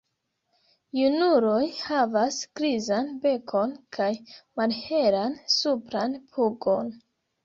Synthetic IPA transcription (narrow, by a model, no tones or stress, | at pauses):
junuɾo̞jhavasɡ̥ɾizanbe̞kʰo̞nkʰajmalhe̞ɾansupɾanpʰuɡo̞n